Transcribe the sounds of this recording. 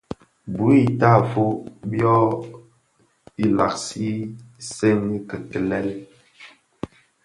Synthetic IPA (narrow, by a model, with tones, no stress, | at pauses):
bu˨˦i˦˨ta˦˨fo˦bjɔ˦ | i˦la̰˨k̚si˦se˦ni˦kə˨kə˨lɛ˦l